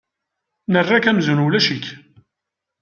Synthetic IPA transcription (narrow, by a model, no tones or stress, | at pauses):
nərːækæmzunulæʃit